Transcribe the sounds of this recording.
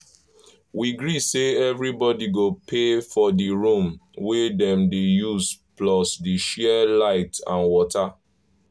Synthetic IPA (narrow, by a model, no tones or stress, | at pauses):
wiɡɹiseɛvɹibɔdiɡopʰefɔdiɹũmwedɛ̃mdejuzplɔsdiʃɛlaɪtã̰nwɔtʰa